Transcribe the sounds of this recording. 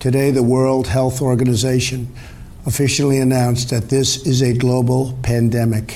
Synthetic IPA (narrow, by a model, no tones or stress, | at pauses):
tʰɨdeɪðəwɜ˞lˠd̚hɛlˠθɔɹɡɨnɨzeɪʃɨ̃n | əfɪʃl̩ˠiɨnãʊ̃nsðɨt̪̚ðɪsɪzɨɡloʊbl̩ˠpʰæ̃ndɛmɨk